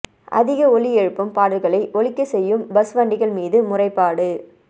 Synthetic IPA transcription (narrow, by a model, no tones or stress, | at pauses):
ʔɐ̰ðɪɣɐɔɭɪɛɻɯpːɐmpaːɽɐlɣɐɭɐɪʔɔɭɪkːɐsɛjːɯmbɐsʋaːɳɖɪɣɐɭmiːðɯmʊrɐɪpːaːɽɯ